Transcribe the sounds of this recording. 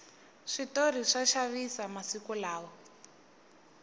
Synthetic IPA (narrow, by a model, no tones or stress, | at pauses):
ʂitor̤iʂaʃaβisamasikulaːwɔ